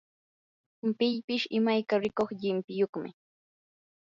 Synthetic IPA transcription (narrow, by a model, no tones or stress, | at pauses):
mpɪʎpɪʃɪmajkaɾɪkoχʎɪmpɪjoχmɪ̰